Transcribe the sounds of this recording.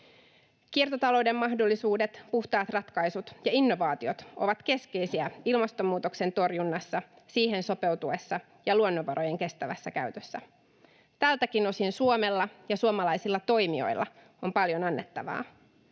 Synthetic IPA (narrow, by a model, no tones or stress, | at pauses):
kiert̪ot̪ɑlo̞wde̞mːɑhdo̞lːisuːde̞t̪puht̪ɑːt̪rɑt̪kɑjsut̪jɑinːo̞ʋɑːt̪io̞t̪o̞̰ʋɑt̪ke̞ske̞jsiæilmɑst̪o̞mːuːt̪o̞kse̞nt̪o̞rjunːɑsːɑ | siːhe̞nso̞pe̞wt̪ue̞sːɑ | jɑluonːoʋɑɾʔo̞je̞ŋke̞st̪æʋæ̰sːækæɥt̪øsːæ | t̪ælt̪ækino̞sinsuome̞lːɑjɑsuomɑlɑjsilːɑt̪o̞jmio̞̰jlːʔɑ̰ | o̞mpɑljo̞nɑnːet̪ːɑʋɑ̰ː